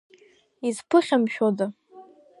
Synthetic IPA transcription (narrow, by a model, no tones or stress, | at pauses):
izpʰɨχʲamʃᶣod͡za